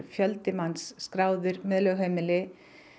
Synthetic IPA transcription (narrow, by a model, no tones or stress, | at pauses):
fjœlt̪ɪmansːkɾaːwðʏɾmɛðlœɣɦeːmɪlɪ